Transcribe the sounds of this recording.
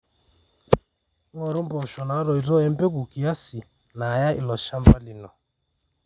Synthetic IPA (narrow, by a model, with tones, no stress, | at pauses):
ŋ˦ɔ˨ɾu˦mbɔ˨ʃɔ˨na˨˦ɾɔ˨i˨ɾɔ˦ɛ˦m˦bɛ˦ku˨ki˨a˦si˨ | naː˨ja˦ʔḭ˨lɔ˨ʃa˦mba˦li˨nɔ˨